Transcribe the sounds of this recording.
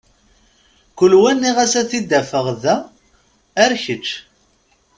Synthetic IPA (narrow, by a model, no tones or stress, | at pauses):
kʷəlwænːiʁæsæθid̪ːæfəʁðæ | æɾçət͡ʃː